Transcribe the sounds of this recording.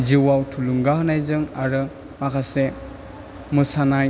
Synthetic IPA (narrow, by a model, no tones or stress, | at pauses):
ziwawtʰuluŋɡahɯnajzɯŋaɾɯ | makʰase | musanaj